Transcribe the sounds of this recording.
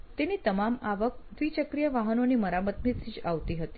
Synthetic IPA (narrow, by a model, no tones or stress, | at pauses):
t̪eniːt̪əmamaʋək̚d̪ʋiːt͡ɕəkɾijəʋaɦənoniːməɾamət̪mit͡siːɕaʋt̪iːɦot̪iː